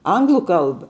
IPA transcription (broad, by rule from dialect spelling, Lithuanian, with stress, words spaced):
ˈɐŋɡlˠʊ ˈkɐlˠbɐ